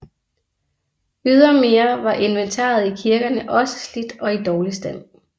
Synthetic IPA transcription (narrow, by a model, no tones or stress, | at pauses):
yð̞ˠɐme̝ːɐʋɑ̈ʔe̝nʋent͡sʰɑ̰̈ːð̞ˠikʰiɐɡ̥ɐnəʔɒ̽sə̥slid̥ɒ̽id̥ɒːlisd̥em̰